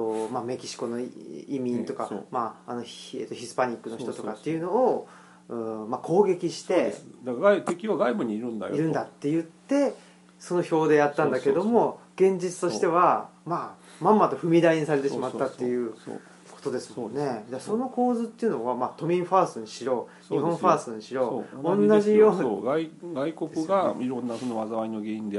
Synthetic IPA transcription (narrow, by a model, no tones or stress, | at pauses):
omame̞kʲi̥ɕi̥ko̞no̞imʲĩnt̪o̞kamaːno̞eːt̪oçisɨ̥paɲ̟ikːɯ̟no̞çit̪ot̪o̞kat̪ːe̞jiɯ̟no̞ː | ɯmakʰo̞ːɡe̞kʲiɕi̥t̪e̞ed̪ɡat̪ekʲiβaɡaibɯ̟ɲ̟iːɾɯ̟̃nd̪a̰j̰iɾɯ̃nd̪at̪ːe̞jɯ̟t̪ːe̞ | so̞no̞ço̞ːd̪e̞jat̪ːãnd̪ake̞d̪o̞mo̞ɡ̥ẽ̞ɲ̟d͡ʑit͡sɨ̥t̪o̞ɕi̥t̪e̞β̞ama | mãmːat̪o̞ɸɯ̟mʲid̪aiɲ̟isaɾe̞t̪e̞ɕiimat̪ːat̪ːe̞jɯ̟̰ | kʰo̞̥t̪o̞d̪e̞sɨmne̞d̪eso̞no̞ko̞ːzɨt̪ːe̞jɯ̟no̞βamat̪o̞mʲĩɰ̃ɸaːsɨɲiɕiɾo̞ː | ɲihõɸaːsɨɲ̟iɕiɾo̞ːõnːaʑijo̞ːɡaiɡaikokɯ̟ɡaiɾõ̞nːasonoβazaβainoɡeĩnd̪e